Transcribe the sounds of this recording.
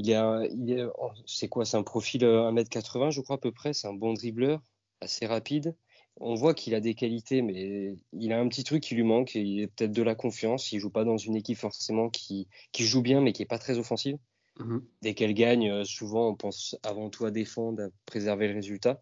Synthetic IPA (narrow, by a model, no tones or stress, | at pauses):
ilɛilɛ̃sɛkwasɛɛ̃pχɔfiløɛ̃mɛt̪kat̪χəvɛ̃ʒəkχwaːpøpχɛsɛɛ̃bɔ̃d̪ʁiblœʁ | aseʁapid̪ | ɔ̰̃vwakʰilad̪ekalit̪emɛilaɛ̃pət̪it̪χykːilɥimɑ̃kilɛpø̥t̪ɛt̪χd̪əlakɔ̃fjɑ̃silʒupad̪ɑ̃zynekʲipfɔʁsemɑ̃kʲʰikʲiʒubjɛ̃mɛkʲiɛpat̪χɛzɔfɑ̃siv | d̪ɛkɛlɡaɲøsuvɑ̃ɔ̃pɑ̃savɑ̃t̪ʰuad̪efɑ̃d̪ʁapχezɛʁveləʁezylt̪a